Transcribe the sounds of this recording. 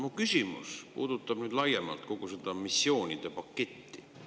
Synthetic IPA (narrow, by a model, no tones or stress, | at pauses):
mukysʲimṵspṵːd̪̥ut̪ːˑɑb̥nyːd̪lɑjemɑ̰lt̪̚ko̞ɡ̥use̞d̪̥ɑmisːjo̞ːnʲid̪̥epɑkːe̞t̪ːi